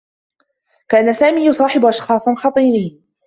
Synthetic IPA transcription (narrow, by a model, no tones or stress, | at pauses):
kaːanasaːmiːjʊsˤɑːħɪbʊʔɑʃxɑːsˤnxɑt̪ˤiːɾɪj